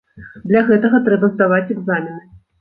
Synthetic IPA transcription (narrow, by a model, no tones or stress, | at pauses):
d̪lʲaɣɛt̪ɐɣɐt̪ɾɛbɐzd̪avat͡sʲɛɡzamʲinɨ